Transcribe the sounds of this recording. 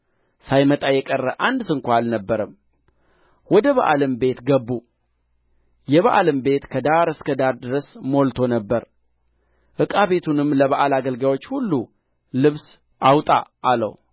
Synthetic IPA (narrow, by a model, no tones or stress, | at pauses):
sajmət̪ʼajɛkʼərːəʔand̪sɨŋkʷaalnəbːəɾəm | wɔd̪əβa̰ʔa̰lɨmbe̞t̪ɡəbːu | jɛβaʔalɨmbe̞t̪kʰəd̪aɾɨskʰəd̪aɾd̪ɨɾəsmolt̪ʰo̞nəbːəɾ | ʔɨkʼaβe̞t̪ʰunɨmləβaʔalaɡəlɡawo̞t͡ʃːhulːu | lɨβs | ʔawt̪ʼa̰ʔalə̰w